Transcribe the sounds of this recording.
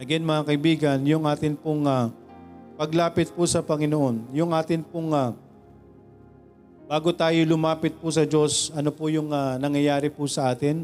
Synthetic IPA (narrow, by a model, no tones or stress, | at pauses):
ɐɡɛnmɐŋakɐʔɪbiːɡɐnjʊŋʔaːt̪ɪnpʊŋa | pɐɡlaːpɪt̪̚pʊsɐpɐŋɪnoʔo̞njʊŋʔaːt̪ɪnpʊŋa | b̥aːɡot̪aːjolʊmaːpɪt̪̚pʊsɐd͡ʒo̞sʔɐnopʊjʊŋanɐŋjɐjaːɾɪpʊsɐʔaːt̪ɪn